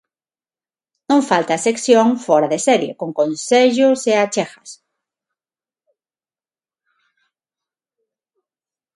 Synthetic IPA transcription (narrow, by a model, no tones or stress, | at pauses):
nõŋfalt̪aːsekθjoŋfɔɾaðesɛɾjḛkoŋkonseʎʊseat͡ʃɛxɐs